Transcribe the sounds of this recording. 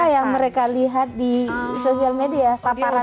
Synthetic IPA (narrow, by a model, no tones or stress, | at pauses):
ajaŋməɾekaliɦat̪̚disosialmediapapaɾa